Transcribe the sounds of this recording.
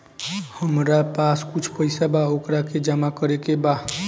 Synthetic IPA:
həmɾapaskʊt͡ʃʰpəɪsabaokɾaked͡ʒəmakəɾekeba

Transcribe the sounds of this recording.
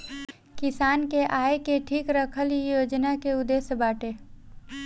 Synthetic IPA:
kɪsaːnkeʔaːekeʈʰiːkɾəkʰəlijoːd͡ʒnakeʊd̪eːsbaːʈeː

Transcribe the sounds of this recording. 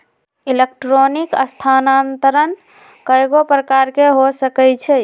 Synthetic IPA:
ilek̚ʈɾonikə̰st̪ʰanant̪əɾən | kəjɡopɾəkaɾkeɦosəkɛt͡ʃʰɛ

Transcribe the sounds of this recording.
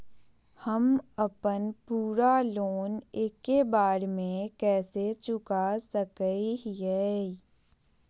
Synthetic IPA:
həməpənpuːɾaloːneːkːebaːɾmẽkɛːset͡ʃʊkasəkəijɛː

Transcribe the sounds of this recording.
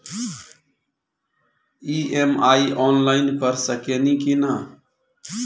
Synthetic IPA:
iemaiʔɔnlaɪnkəɾsəkenikina

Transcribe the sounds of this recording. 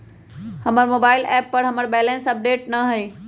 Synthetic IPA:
həməɾmoːbaːɪlɛːpːɐɾɦɐməɾbɛlẽnsɐp̚ɖeːʈ̚nɐɦəe

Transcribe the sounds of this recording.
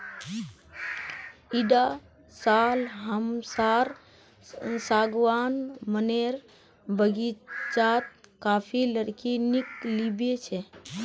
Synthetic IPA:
iɖa | salɦəmsaɾ | saɡʋanməneɾ | bəɡit͡ʃat̪̚kapʰiləɾkiniklibet͡ʃʰɛ

